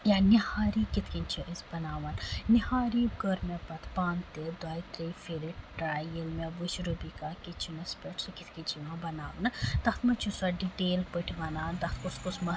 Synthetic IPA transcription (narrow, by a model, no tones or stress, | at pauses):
jãnihaːɾikɪt̪ʰkint͡ʃʰiʔisbɐnaːʋɐnːihaːɾiɡəɾmẽpɐt̪ʰpãːnt̪ed̪aːit̪ɾifʰiɾiʈʈɾaːjɐlmẽbuʃɾubikakit͡ʃʰinɐspeʈsɨkɪt̪ʰkit͡ʃʰiʋãbɐnaːʋɐnt̪ɐxt̪ʰmɐt͡ʃʰusɐɖiʈeːlpəʈʰʋɐnaːnt̪ɐxt̪kuskusmɐ